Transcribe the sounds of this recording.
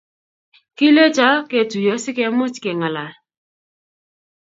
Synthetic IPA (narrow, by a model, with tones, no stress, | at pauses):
ki˦le˦t͡ʃa˦ke˨tu˨jo˨sɪ˦kɛ˨mʊ˦t͡ʃkɛ˨ŋa˨la˨